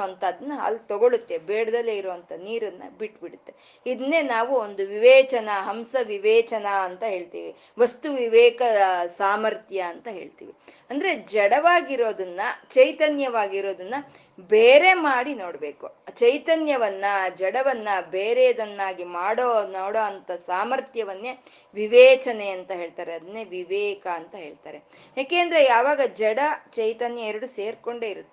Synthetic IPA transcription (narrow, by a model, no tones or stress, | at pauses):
ɐnt̪ɐd̪ɐnːɐɦa̰lt̪ɔɡoɭut̪ːe̞beːɽɐd̪ɐleːiɾoʋɐnt̪ʰɐniːɾɐnːɐ̰biʈːbiɽut̪ːe̞ | id̪ɐnːe̞ːnaːʋuond̪uʋiʋɛːt͡ʃɐnɐɦɐmsɐʋiʋɛːt͡ʃɐnɐːnt̪ɐɦe̞ːɭt̪ḭːʋi | ʋɐst̪uʋiʋɛːkɐsaːmɐɾt̪ʰjɐːnt̪ɐɦe̞ːɭt̪ḭːʋiɐnd̪ɐɾe̞d͡ʒɛɽɐʋaːɡiɾo̞ːd̪ɐnːɐt͡ʃɐjt̪ɐnjɐʋaːɡiɾoːd̪ɐnːɐ | beːɾe̞maːɽino̞ːɽɐbe̞ːkut͡ʃɐjt̪ɐnjɐʋɐnːɐd͡ʒɛɽɐʋɐnːɐbeːɾeɐd̪ɐnːaːɡimaːɽoːnoːɽoɐnt̪ɐsaːmɐɾt̪jɐʋɐnːeː | ʋiʋɛːt͡ʃɐneɐnt̪ɐɦe̞ːɭt̪aːɾeɐd̪ɐnːeʋiʋɛːkɐːnt̪ɐɦe̞ːɭt̪a̰ːɾe̞ | jaːke̞ːɐnd̪ɐɾe̞jaːʋaːɡɐd͡ʒɛɽɐt͡ʃɐjt̪ɐnjɐɛɾɐɽuseːɾko̞ɳɖe̞ːiɾut̪ːe